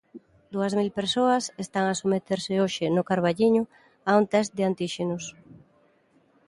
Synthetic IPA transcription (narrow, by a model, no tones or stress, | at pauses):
d̪uɐzmilpeɾsoɐsest̪aŋasomet̪eɾsɪoʃɪnʊkaɾβaʎiɲʊ | aunt̪ɛzd̪ɪant̪iʃenʊs